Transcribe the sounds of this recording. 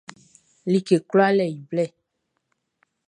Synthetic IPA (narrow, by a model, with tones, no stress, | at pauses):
li˨ke˨klɔ˦a˦lɛ˨ji˨blɛ˦˨